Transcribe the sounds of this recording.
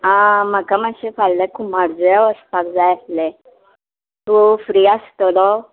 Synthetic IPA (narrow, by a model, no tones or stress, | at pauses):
ãməkamaɕefallɛkʰumaɽd͡zɔjaʋəst̪ak̚d͡zajaslɛ | t̪ufɾiast̪ɔlɔ